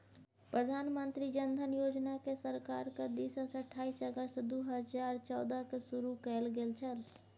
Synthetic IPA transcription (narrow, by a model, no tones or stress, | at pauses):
pɾəd̪ʱanmənt̪ɾid͡ʒənd̪ʱənjod͡ʒnakesəɾkaɾked̪isəsəʈʰːaisəɡəst̪d̪uɦəd͡ʒaɾt͡ʃɔwd̪əkesuɾukɛlɡelt͡ʃʰəl